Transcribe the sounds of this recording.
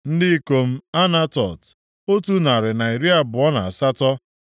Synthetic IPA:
n̩˦dɪ˦ko˦m̩˦a˦na˦tɔ˨t | o˦tu˦na˨ɾɪ˨na˨i˨ɾi˦a˦bʊ˨ɔ˦na˨a˨sa˦tɔ˦

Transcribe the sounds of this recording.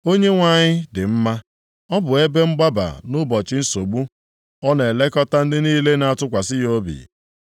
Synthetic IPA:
o˦ɲe˦ŋʷa˦ɲɪ˦dɪ˨m̩˦ma˦ | ɔ˦bʊ˨e˦be˦ŋ͡m̩˦ɡ͡ba˦ba̰˨nʊ˦bɔ˨t͡ʃɪ˦n̩˦so˨ɡ͡bu˦ | ɔ˦ne˨le˦kɔ˦ta˦n̩˦dɪ˦niː˦le˦na˨a˨tʊ˦kʷa˨sɪ˦jo˦bḭ˨

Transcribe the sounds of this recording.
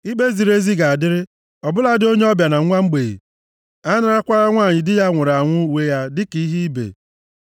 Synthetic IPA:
i˦ɡ͡be˦zi˨ɾe˦zi˦ɡa˨a˨dɪ˦ɾɪ˦ | ɔ˨bʊ˦la˦dɪ˦o˦ɲe˦ɔ˦bja˨na˨˦a˦ŋ͡m̩˦ɡ͡be˨ḭ˨ | a˦na˦ɾa˦kʷa˦ɾa˦ŋʷaː˦˨ɲɪ˨dɪ˦ja˦ŋʷʊ˨ɾa˨ŋʷʊ˦we˦ja˦dɪ˦ki˨i˦ɦi˦i˦bḛ˨

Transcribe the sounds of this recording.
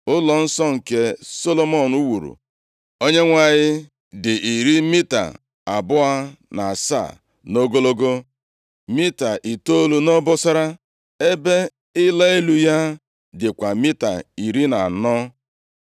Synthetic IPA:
ʊ˦lɔ˨n̩˦sɔ˦ŋ̩˨ke˨so˦lo˦mɔ˦˨nu˦wu˨ɾṵ˨ | o˦ɲe˦ŋʷa˨ɲɪ˦ | dɪ˨i˨ɾi˦mi˦ta̰˨ | a˨bʊ˦a˦na˨a˨sa̰˦˨ | no˦ɡo˦lo˦ɡo˦ | mi˦ta˨ʔi˨to˦lu˨nɔ˦bʊ˦sa˦ɾa˦ | e˦be˦ | ɪ˦la˦i˦lu˨ja˦ | dɪ˨kʷa˨mi˦ta̰˨i˨ɾi˦na˨nɔ˦

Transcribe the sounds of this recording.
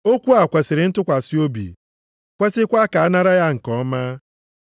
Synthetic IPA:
o˦kʷu˦a˨kʷe˨sɪ˨ɾɪ˨n̩˦tʊ˦kʷa˨si˦o˦bḭ˨ | kʷe˦sɪ˦kʷa˦ka˨a˦na˦ɾa˦ja˦ŋ̩˨kɔ˨˦ma˦

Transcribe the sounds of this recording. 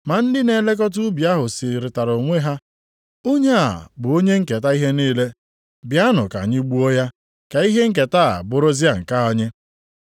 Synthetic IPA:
ma˨n̩˦dɪ˦ne˨˦le˦k̬ɔ˦t̬u˦bi˨a˦ɦʊ˨si˨ɾɪ˨ta˨ɾo˨ŋʷe˦ɦa˦ | o˦ɲe˦a̰˨bʊ˨o˦ɲe˦ŋ̩˦ke˨ta˦i˦ɦe˦niː˦le˦ | bja˦nʊ˨ka̰˨ɲɪ˦ɡ͡bu˦o˦ja˦ | ka˨i˦ɦe˦ŋ̩˦k̬e˨ta˦a̰˨bʊ˦ɾʊ˦zi˦a˨ŋ̩˨ka˦ɔ˦ɲe˦

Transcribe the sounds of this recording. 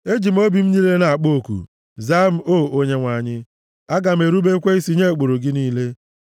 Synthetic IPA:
e˦d͡ʒi˨m̩˦o˦bi˨m̩˦ɲi˦le˦na˨a˨k͡po˦˨kṵ˨ | za˦m̩˦o˦˨o˦ɲe˦ŋʷa˨ɲɪ˦ | a˦ɡa˨m̩˨e˨ɾu˦be˦kʷe˦i˦si˦ɲe˦˨k͡po˨ɾo˨ɡɪ˦niː˦le˦

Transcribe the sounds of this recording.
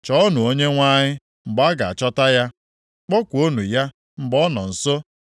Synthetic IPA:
t͡ʃɔ˦ɔ˦nu˨o˦ɲe˦ŋʷa˦ɲɪ˦ | ŋ͡m̩˨ɡ͡ba˦ɡa˨a˨t͡ʃɔ˦ta˦ja˦ | k͡pɔ˦kʷo˦nu˨ja˦ | ŋ͡m̩˨ɡ͡bɔ˦nɔ˨n̩˨so˦

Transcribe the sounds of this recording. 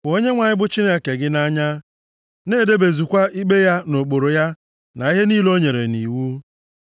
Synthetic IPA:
o˦ɲe˦ŋʷa˨ɲɪ˦bʊ˦t͡ʃi˦ne˦˨ke˨ɡɪ˦na˦ɲa˦ | ne˦˨de˦be˨zu˨kʷa˦ʔi˦ɡ͡be˦ja˦no˨k͡po˨ɾo˨ja˦ | na˨i˦ɦe˦niː˦lo˦ɲe˨ɾḛ˨nḭ˨wu˦

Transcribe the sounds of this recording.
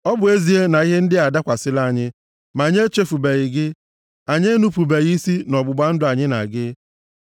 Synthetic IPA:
ɔ˦bʊ˨e˦zi˨e˦na˨i˦ɦe˦n̩˦dɪ˦a˨da˦kʷa˨sɪ˦la˦˨ɲɪ˦ | ma˨ɲe˦t͡ʃe˦fu˨be˨ɣɪ˨ɡɪ˦ | a˨ɲe˦nu˦pu˨be˨ɣi˦si˦nɔ˨bʊ˨ɡ͡ba˦n̩˦dʊ˦a˨ɲɪ˦na̰˨ɡɪ˦

